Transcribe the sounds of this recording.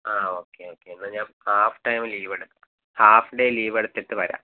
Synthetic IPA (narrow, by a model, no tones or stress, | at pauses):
aːoːkːeoːkːeenːɐɲaːmhaːfʈɐjmliːʋeɽut̪ːɨ̥ | haːfɖeliːʋeɽut̪ːeʈːɨʋɐɾa̰ː